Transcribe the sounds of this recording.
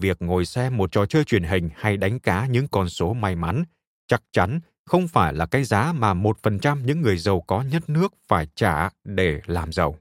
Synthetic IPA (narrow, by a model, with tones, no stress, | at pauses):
vi˨˩ək̚ŋo˨˩jsɛ˧mo˨˩t̚t͡ɕɔ˨˩t͡ɕəː˧jt͡ɕwi˨˧˩ənɦï˨˩ŋ̟ha˧jɗa˨˦jŋ̟kaː˨˦ɲɨ̰˧˥ŋkɔ˨˩nso˨˦ma˧jma˨˦n | t͡ɕa˦˥k̚t͡ɕa˨˦n | xə˧wŋ͡mfaː˧˩jlaː˨˩ka˨˦zaː˨˦maː˨˩mo˨˩t̚fə˨˩nt͡ɕa˧mɲɨ̰˧˥ŋːɨ˨˩əjzə˨˩wkɔ˨˦ɲə˦˥t̚nɨ˦˥ək̚faː˧˩jt͡ɕaː˧˩ɗe˧˩laː˨˩mzə˨˩w